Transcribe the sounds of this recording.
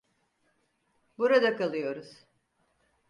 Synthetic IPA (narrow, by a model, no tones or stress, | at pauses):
buɾad̪akalˠɯjo̞ɾuz̥